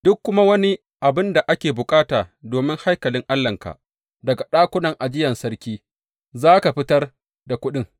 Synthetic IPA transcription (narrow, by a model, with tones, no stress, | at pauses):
d̥ʊ˦kːʊ˦ma˦wɐ˦ni˦ | ʔa˨bɪ˦nda˨ʔa˦kʲeː˨bʊ˨kʼaː˦taː˨doː˨mɪ˦ŋha˦jkɐ˨lɪ˦ŋʔa˦lːɐ˨ŋka̰˨ʔ | dɐ˨ɡa˨ɗaː˦kʷʊ˦nɐ˨ŋʔa˨d͡ʒɪ˦jɐ˨nsɐ˦rkʲiː˦ | zaː˦ka˨ɸɪ˦tɐ˦r | da˨kʷʊ˦ɗɪ˦ŋ